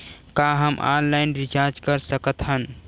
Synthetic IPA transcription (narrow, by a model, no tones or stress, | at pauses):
kaɦəmʔã̰nlaɪnɾit͡ʃaɾd͡ʒkəɾsəkət̪ɦən